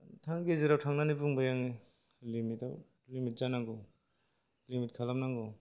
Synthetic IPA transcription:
tʰaŋɡeziɾawtʰaŋnanibuŋbajaŋi | limita̰ | limit̚zanaŋɡɔ | limit̚kʰalamnaŋɡɔ

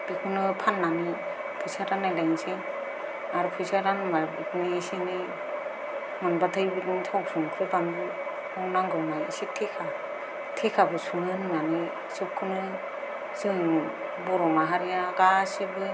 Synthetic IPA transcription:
bikʰɯnɯpʰanːani | pʰɯjsaɾanːajlajŋse | aɾɯpʰɯjsaɾanmabikʰnisenɯ | manbatʰɯjbinitʰɔwk̚sʰuŋkʰɾɯbambi | ɔwnaŋɡɯwnajisek̚tʰekʰa | tʰekʰabɯsuŋɯnnani | sɯp̚kʰɯnɯ | zɯŋ | bɔɾɔmaɦaɾijaɡasebɯ

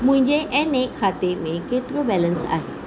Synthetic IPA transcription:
m̤ə̃ɲd͡ʑeʔɛnekʰːat̪emẽket̪ɾobɛlənsa̰ɦe

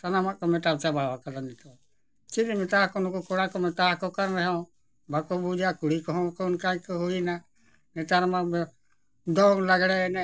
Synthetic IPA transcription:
t̪anamaʔkɔmɛʈabt͡ʃabawakalanɛt̪ɔ | t͡ʃidimɛt̪akɔnkɔkɔɽakɔmɛt̪akɔkaɾɾɛɦɔ̃ | bakɔbud͡ʒakuɽikɔɦɔ̃kɔnkaĩkɔɦuina | nɛt̪aɾma | d̪ɔŋlaɡɽɛnɛ

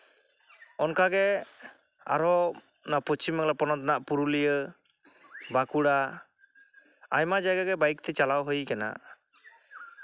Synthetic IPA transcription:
ɔnkaɡɛ | a̰ɾɔ | napɔt͡ʃimɛŋlapɔnɔt̪naʔpuɾulijə | bakuɽa | a̰jmad͡ʒajɡaɡɛbajk̚t̪ɛt͡ʃalawɦəjkana̰

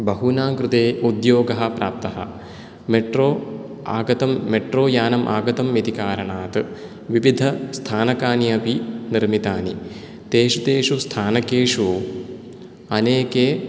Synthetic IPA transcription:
bɐɦunaːɡɾut̪eːʔud̪joːɡɐɦɐ̆pɾʔa̰ːp̚t̪ɐɦɐ̰ | meʈɾoː | aːɡɐt̪ɐmːeʈɾoːjaːnɐmʔa̰ːɡɐt̪ɐmjit̪ikaːɾɐɳaːt̪ɨ | ʋiʋid̪ʱɐst̪ʰaːnɐkaːnjɐpiniɾmit̪aːni | t̪eːʂut̪eːʂust̪ʰaːnɐkeːʂu | ɐneːkeː

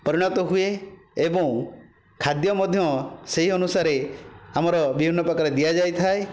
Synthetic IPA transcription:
pɔɾiɽ̃ɔt̪ɔɦueebɔ̃w̃ | kʰad̪jɔmɔd̪ʱjɔseɦiɔnusaɾeamɔɾɔbibʱinːɔpɾɔkaɾed̪ijad͡ʒajt̪ʰae

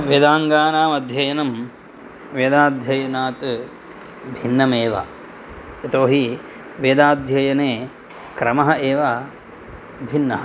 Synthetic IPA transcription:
ʋeːd̪aːŋɡaːnaːmɐd̪ʱjɐjɐnɐm | ʋeːd̪aːd̪ʱjɐjɐnaːt̪ | bʱinːɐmeːʋɐ̰ | et̪oːɦi | ʋeːd̪aːd̪ʱjɐjɐneː | kɾɐmɐɦɐeːʋɐ | bʱinːɐɦɐ

